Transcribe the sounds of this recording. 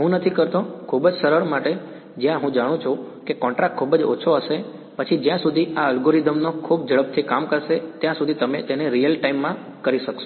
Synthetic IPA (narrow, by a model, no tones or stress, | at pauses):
ɦũnət̪ʰikəɾt̪okʰubd͡ʒsəɾəɭmaʈe | d͡ʒjãɦũd͡ʒaɽ̃ũt͡ʃʰukekɔ̃ɳʈɾak̚ʈ̚kʰːubəd͡ʒo̰t͡ʃʰoɦəʃe | pət͡ʃʰid͡ʒjãsud̪ʱiaəlɡoɾid̪əmnokʰub̚d͡ʒəɭəp̚t̪ʰikamkəɾʃet̪jãsud̪ʱit̪əmḛt̪eneɾijəlʈaimːã | kəɾiʃəko